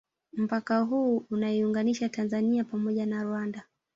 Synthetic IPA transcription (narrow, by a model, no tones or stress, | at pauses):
m̩pakaɦuːunaiuŋɡaniʃatanzaniapamɔʄanaɾwanda